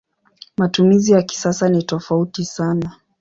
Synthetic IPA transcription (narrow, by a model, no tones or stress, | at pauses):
matumizijaki̥sasanitɔfautisana